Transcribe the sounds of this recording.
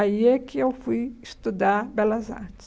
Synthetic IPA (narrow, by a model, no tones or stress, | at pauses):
aiɛkɪewfujist̪ud̪aɾbɛlɐza̰ɾt͡ʃɪ̥s